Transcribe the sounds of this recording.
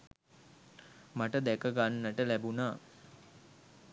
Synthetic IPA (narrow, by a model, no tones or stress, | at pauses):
maʈəd̪ækəɡanːəʈəlæbunaː